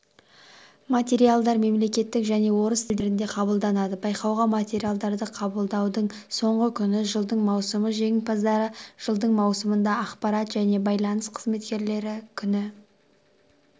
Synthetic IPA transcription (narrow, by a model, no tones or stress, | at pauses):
mat̪ʲe̞ɾijalˠd̪ɑɾme̞mle̞kʲe̞t̪ːɪkʒæne̞wo̞ɾəst̪ɪld̪ɪɾɪnd̪e̞qʰɑbəlˠd̪ɑnɑd̪əbɑjqɑwʁɑmat̪ʲe̞ɾijalˠd̪ɑɾd̪əqʰɑbəlˠd̪ɑwd̪əɴ | so̞ɴʁəkʲʰʏnɪʒəlˠd̪əɴmɑwsəməʒe̞ŋpʰɑzd̪ɑɾəʒ̥əlˠd̪əɴmɑwsəmənd̪ɑɑqpɑɾɑt̪ʒæne̞bɑjlˠɑnəsqʰəzme̞t̪kʲe̞ɾle̞ɾɪkʲʰʏnɪ